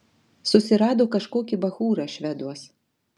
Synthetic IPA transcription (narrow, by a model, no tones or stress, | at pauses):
sʊsʲɪɾɑːd̪oːkɐʃkoːkʲibɐxuːɾɐʃʲʋʲɛd̪uɔs